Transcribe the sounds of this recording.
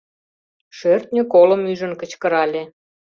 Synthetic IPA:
ʃørt̪nʲøkoləmyʒə̆nkə̆t͡ɕkəɾɑlʲe

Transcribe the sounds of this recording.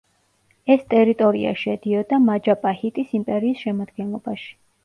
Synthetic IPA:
ɛst̪ʼɛɾit̪ʼɔɾḭa̰ʃɛd̪iɔd̪amad͡ʒapʼahit̪ʼisimpʼɛɾiːsʃɛmad̪ɡɛnlˠɔbaʃi̥

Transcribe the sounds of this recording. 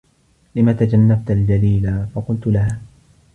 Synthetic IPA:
lɪmaːt̪ad͡ʒanːab̚t̪ald͡ʒaliːlafɑqʊlt̪ʊlahaː

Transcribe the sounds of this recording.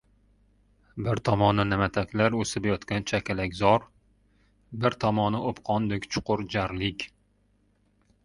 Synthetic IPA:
bɪɾt̪ʰɒmɒnɪnamat̪ʰakʲlaɾɵsɪbjɒt̪kʲant͡ʃʰakʲʰalakʲzɒɾ | bɪɾt̪ʰɒmɒnɪʔopqʰɒnd̪ekʲt͡ʃʰʊ̥qʊɾd͡ʒaɾlɪkʲ

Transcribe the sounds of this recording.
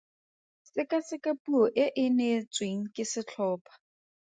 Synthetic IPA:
sɪkʼasɪkapʼuɔʔɪʔɪnet͡sʼweŋ̩kʼɪsɪt͡ɬʰɔːpʰʼḁ

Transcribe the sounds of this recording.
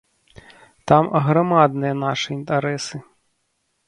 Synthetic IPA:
t̪amɣɾamad̪nɨjɐnaʂɨint̪aɾɛsɨ

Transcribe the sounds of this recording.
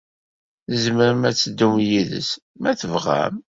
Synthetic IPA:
θəzməɾəmæt͡sːəd̪ːumjiðə̰s | mæθəvʁæ̰m

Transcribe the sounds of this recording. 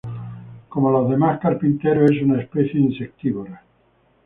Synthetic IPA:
komolaðemahkaɾpint̪eɾoesunaespeθjeinsek̚t̪iβoɾa

